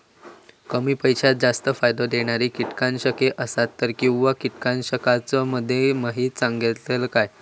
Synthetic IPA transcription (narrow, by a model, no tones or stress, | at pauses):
kəmiːpəjt͡ɕat̪̚d͡zast̪əfajd̪od̪eɽ̃aɾiːkiʈkanɕəkeʔəsat̪ːəɾkĩw̃ʋakiʈkanɕəkat͡sɔməd̪ʱːjemaɦiːt̪saŋɡielkaj